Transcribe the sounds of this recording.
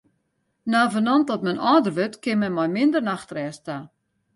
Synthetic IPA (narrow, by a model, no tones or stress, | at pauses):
naːvənɔntɔtmɛnɔːdərʋøtkɪmɛnmɔjmɪndərnaxtrɛːsta